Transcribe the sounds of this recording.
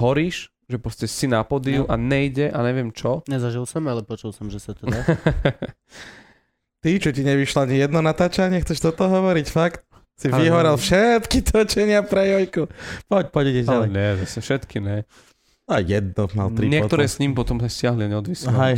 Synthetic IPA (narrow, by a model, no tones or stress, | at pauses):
ɦɔɾiːʃ | ʒɛpɾɔscɛsinapɔd̪iuʔaɲɛjɟɛʔaɲɛʋɛmt͡ʃɔɲɛzaʒilˠsɔmalɛpɔt͡ʃulˠsɔmʒɛsat̪ɛ | t̪it͡ʃɔciɲɛʋiʃlɔaɲijɛd̪nɔnat̪aːt͡ʃaɲɪɛxt͡sɛʃt̪ɔt̪ɔɦɔʋɔɾicfakt̪̚ | siiɦɔɾɛlfʃɛt̪kit̪ʰɔt͡ʃɛɲɪapɾɛjɔjkupɔc̚pɔɟɛɟɛalɛɲɛzasɛfʃɛt̪kiɲɛ | ajɛd̪̚nɔma̰lt̪ɾiɲɪɛkt̪ɔɾɛːsɲimpɔt̪ɔmsascɪaɦliaɲɛɔd̪ʋisɦa